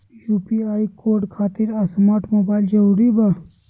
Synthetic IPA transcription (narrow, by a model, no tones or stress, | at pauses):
juːpiaːikoːɾɖkʰaːt̪iɾɐsmaːʈmoːbaːɪld͡ʒɐɾuːɾiba